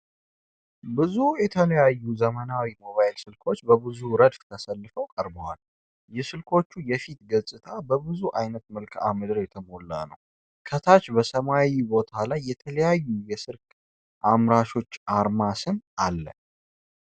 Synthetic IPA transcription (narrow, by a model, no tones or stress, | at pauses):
bɨzujɛt̪ʰələjajːuzəmənawimo̞βajɪlsɨlkʰo̞t͡ʃːbəbɨzuɾəd̪ft̪ʰəsəlːɨfəwkʼəɾbəwal | jɛsɨlkʰo̞t͡ʃːujɛfit̪ɡəsʼɨt̪ʰabəbɨzuʔajnət̪mɨlkʰʼa̰mɨd̪ɨɾjɛt̪ʰəmo̞lːa̰nə̰w | kʰət̪ʰat͡ʃbəsəmawibo̞t̪ʰalajːɛt̪ʰələjajːujɛsɨɾkʼ | ʔamɾaʃo̞t͡ʃːʔaɾmasɨnalːə̰